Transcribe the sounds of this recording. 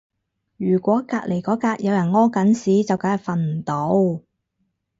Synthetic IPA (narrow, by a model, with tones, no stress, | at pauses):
jyː˨˩kʷɔː˨˥kaː˧k̚le˨˩jkɔː˨˥kaː˧k̚jɐ˨˧wjɐ˨˩nŋɔː˥kɐ˨˥nsiː˨˥t͡sɐ˨wkaː˨˥jɐ˨k̚fɐ˨nm̩˨˩t̪o˨˥w